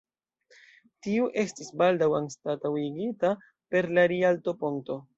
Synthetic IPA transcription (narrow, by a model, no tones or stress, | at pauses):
tiuʔe̞stisbaldawanstatawiɡita | pe̞ɾlaɾialto̞poŋ̚to̞